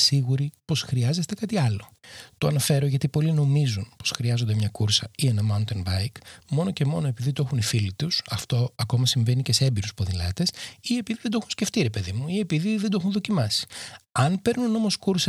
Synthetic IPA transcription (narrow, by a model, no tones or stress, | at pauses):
siɣuɾipo̞sxɾiɐze̞st̪e̞kɐt̪iɐlo̞t̪oɐnɐfe̞ɾo̞ʝɐt̪ipo̞lino̞mizunposxɾiɐzond̪emɲɐkuɾsɐie̞nɐmɐunt̪enbɐjkmo̞no̞ce̞mo̞noe̞piðit̪ue̞xunifilit̪usɐft̪o̞ɐko̞mɐsiɱve̞nice̞seembiɾuspo̞ðilɐ̰t̪e̞sie̞piðiðed̪oxunsce̞ft̪iɾe̞pe̞ðimuie̞piðiðend̪oexunðo̞cimɐsi̥ɐnpe̞ɾnuno̞mo̞skuɾsɐ